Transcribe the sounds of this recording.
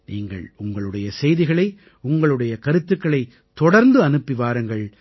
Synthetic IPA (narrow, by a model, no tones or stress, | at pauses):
nʔiːŋɡɐ̰ɭʊŋɡɐɭɯɽɐjɐsɛjðɪɣɐɭɐɪ | ʊŋɡɐɭɯɽɐjɐkɐɾɯt̪ːɯkːɐɭɐɪ | t̪ːɔɽɐɾnd̪ɯɐnɯpːɪʋaːɾɯŋɡɐɭ